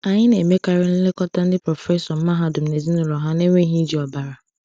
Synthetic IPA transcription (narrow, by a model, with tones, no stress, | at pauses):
a˨ɲɪ˦ne˨me˦ka˦ɾɪ˦n̩˦lɪ˦kɔ˦ta˦n̩˦dɪ˦pɾɔ˨fɛ˦sɔ˨m̩˦ma˦ɦa˦dʊ˨m̩˨ne˨zi˦nʊ˦lɔ˨ɦa˦ne˦ŋʷe˦ɦi˦d͡ʒi˨˦a˨ba˨ɾa˨